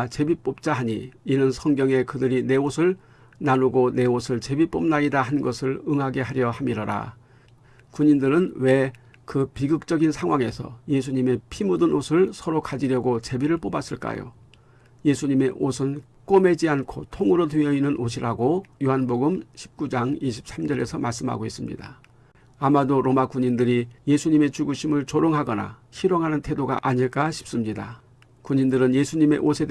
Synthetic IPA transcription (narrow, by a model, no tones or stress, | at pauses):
t͡ɕebip͈op̚t͡ɕ͈aɦaɲiinɯnsʰʌŋɡjʌŋe̞kɯdɯɾine̞osʰɯɭ | nanuɡone̞osʰɯɭt͡ɕe̞bip͈ob̚naidaɦhannɡʌsʰɯɭɯŋɦaɡe̞ɦaɾjʌhamiɾʌɾa̰ | kuɲindɯɾɯnwe̞ | kɯpiɡɯk̚t͡ɕ͈ʌɡinsʰaŋɦwaŋe̞sʰʌ̰je̞s̬ʰuɲime̞pʰimudɯnosʰɯɭsʰʌɾokad͡ʑiɾjʌɡot͡ɕe̞biɾɯɭp͈obas͈ɯɭk͈a̰jo̰ | je̞sʰuɲime̞ʔosʰɯn | k͈ome̞d͡ʑiankʰotʰoŋɯɾot̬wiʌinːɯnʔoɕʰiɾaɡojoɦanboɡɯmɕʰi̥p̚k͈ud͡ʑaŋiɕʰi̥p̚s͈amd͡ʑʌɾe̞sʰʌmaɭs͈ɯmɦa̰ɡois͈ɯmɲḭda | amadoɾomakuɲindɯɾije̞sʰuɲime̞t͡ɕuɡuɕʰimɯɭt͡ɕoɾoŋɦaɡʌna̰çiɾoŋɦanɯntʰe̞doɡa̰ʔaɲiɭk͈aɕʰi̥p̚s͈ɯmɲida | kuɲindɯɾɯnje̞sʰuɲime̞̰ʔosʰe̞d